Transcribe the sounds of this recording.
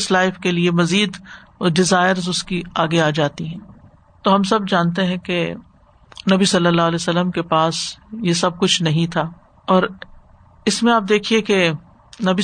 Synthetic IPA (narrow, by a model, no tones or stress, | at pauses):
slaːɪfkeliemɐziːd̪ | ɖɪzaːɪəɾzʊskiaːɡeaːd͡ʒaːt̪iɦɛ̃ː | t̪oːɦɐmsɐbd͡ʒaːnt̪̬eɦɛ̃ke | nɐbisɐlːəlːaːɦlɛːsəlːəmkepaːsjesɐb̚kʊt͡ʃʰnɐɦĩt̪ʰaː | ɔːɾ | ɪsmẽaːp̚d̪eːkʰieke | nɐbi